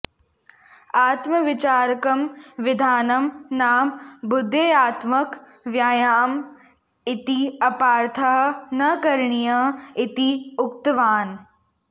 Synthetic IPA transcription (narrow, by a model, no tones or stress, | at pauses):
aːt̪məʋɪt͡ʃaːɾkɐmʋɪd̪ʱaːnɐmnaːmbʊd̪ʱːeaːt̪mək | ʋjaːjaːm | ɪt̪iɐpaːɾt̪ʰɐɦnɐkɐɾɳijɐɪt̪iʊk̚t̪ʋaːn